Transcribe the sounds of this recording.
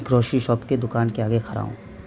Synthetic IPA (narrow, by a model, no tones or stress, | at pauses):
kɾoːʃiʃɔːpked̪ʊkaːnkeaːɡekʰɐɾa̰ːṵ̃ː